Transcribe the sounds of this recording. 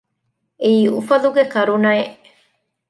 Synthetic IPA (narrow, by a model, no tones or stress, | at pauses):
eiufad̪ukekaɾunae